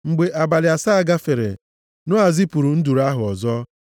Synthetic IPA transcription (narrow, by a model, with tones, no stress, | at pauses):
ŋ͡m̩˨ɡ͡be˨ʔa˨ba˨lɪ˨a˨sa˦˨ɡa˦fe˨ɾḛ˨ | nʊ˦a˨zi˦pu˨ɾu˨n̩˦du˨ɾa˦ɦʊ˨ɔ˨zɔ˦